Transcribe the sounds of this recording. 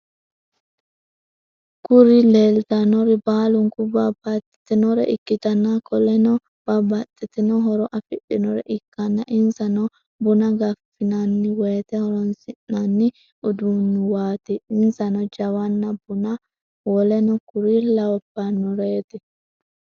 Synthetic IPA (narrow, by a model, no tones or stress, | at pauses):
kʊɾɪleːlt̪ɐnɔɾɪbaːlʊŋkʊbabɐt̪ːɪ̥t̪ɪnɔɾɛ̰ʔɪkːɪt̪ɐnːakʰɔlɛnɔ | b̥ɐbɐt̪ʼːɪt̪ɪnɔɦɔɾɔʔɐfɪɗɪnɔɾɛ̰ʔɪkːɐnːɐʔɪnsɐnɔ | bʊnɐɡɐfːɪnanːɪweːt̪ɛhɔɾɔnsɪnːanːɪ | ʔʊd̪unːʊwaːt̪ɪɪnsɐnɔd͡ʒɐwɐnːɐbʊnɐ | wɔlɛnɔkʊɾilɐwɔpːɐnːɔɾeːt̪ɪ